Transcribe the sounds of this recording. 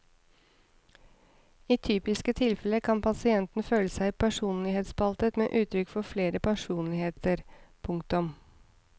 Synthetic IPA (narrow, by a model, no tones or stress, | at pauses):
iːt̪ʰyːpɪskət̪ʰɪlfɛləkʰɑnpʰɑsɪɛnt̪n̩føːləsæɪpʰæʂuːnlɪheːt̪spɑlt̪ət̪mḛːʔʉːt̪ʰɾʏkfɔfleːɾəpʰæʂuːnlɪheːt̪ʰəɾpʰʊŋk̚t̪ʊm